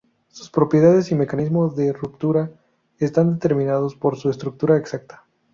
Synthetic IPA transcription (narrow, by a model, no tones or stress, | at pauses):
su̥spɾo̞pje̞ðaðe̞sime̞kanizmo̞zðe̞rupt̪uɾa | est̪and̪e̞t̪e̞ɾmĩnað̞o̞spo̞ɾsuest̪ɾuk̚t̪uɾaeksak̚t̪ḁ